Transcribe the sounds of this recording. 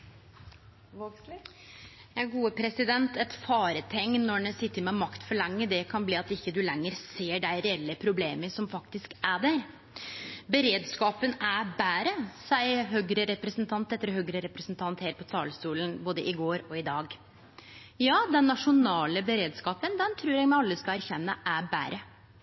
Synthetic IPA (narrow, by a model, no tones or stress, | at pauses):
jæɡuːəpʰɾɛsɪd̪ɛnt̪ʰɛt̪fɑːɾət̪ʰɛŋːnɔɳɛsɪt̪ːəɾmɛmɑkt̪fɔɭɛŋːəd̪ɛkʰɑnbliːɑt̪ɪkːəd̪ʉlɛŋːəɾseːɖæɪɾɛɛlːəpʰɾʊbleːməsɔmfɑkt̪ɪskæɖæɾ | bəɾeːd̪skɑːpənæbæːɾəsæɪɦøːɡɾəɾɛpɾəsnt̪ʰɑnt̪ɛt̪ːəɾɔɦøːɡɾəɾɛpɾəsnt̪ʰɑnt̪heːɾəpɔt̪ʰɑːlst̪uːlənboːd̪əʔɪɡoːɾɔɪd̪ɑːɡ | jɑːd̪ɛnːɑʂʊnɑːləbəɾeːd̪skɑːpənd̪ɛnt̪ʰɾʉːɾɛɡmɛɑlːəskɑlæɾçɛnːəʔæbæ̰ːɾʔə